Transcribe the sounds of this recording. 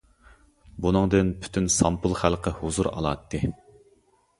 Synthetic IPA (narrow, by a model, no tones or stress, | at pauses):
bunɨŋd̪ɨnpʰy̥t̪ʰynsɑmpulˠχælˠqʰəhʊzuɾɑ̰lˠɑ̰t̪ʰːɨ